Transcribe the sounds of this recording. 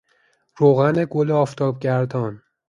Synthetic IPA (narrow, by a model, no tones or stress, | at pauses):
ɾoːɣæneɡoleɒːft̪ʰɒːb̚ɟæɾd̪ɒn